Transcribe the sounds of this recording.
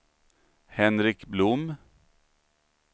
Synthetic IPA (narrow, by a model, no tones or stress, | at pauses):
hɛnɾɪkblʊm